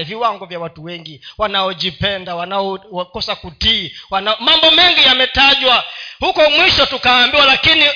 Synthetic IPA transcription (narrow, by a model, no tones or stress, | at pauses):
viwaŋɡɔvjawatuwɛŋɡiwanaɔʄipɛndawanaɔkɔsakutiwanamambɔmɛŋɡijamɛtaʄwahukɔmwiʃɔtukaːmbiwalakini